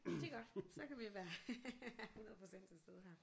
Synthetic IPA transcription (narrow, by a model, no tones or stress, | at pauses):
d̥e̝ɡ̥ɒd̥sɒ̽kæʋiʋæɐ | hunɐð̩ˠpʰʁo̝sen̰d̥t͡sʰesd̥eðˠɦæɐ̰